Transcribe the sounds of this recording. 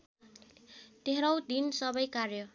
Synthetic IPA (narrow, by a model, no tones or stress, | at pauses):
d̪̥ʱeɾʌwd̪insʌbʌjkarjʌ